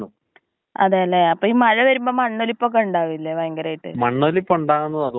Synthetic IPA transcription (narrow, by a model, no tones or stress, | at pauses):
u | ɐ̰ðejɐlːeɐpːoːiːmɐɻɐʋɐɾumbo̞ːmɐɳːolipːoːk̬ːeuɳɖaːʋilːeʋɐjŋɡɐɾaːjiʈːɨ̰mɐɳːolipːouɳɖaːɣunːɐðɐð